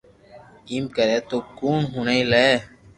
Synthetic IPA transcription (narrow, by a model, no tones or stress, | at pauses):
iːmkəɾeːt̪oːkuːnɦuːneĩlee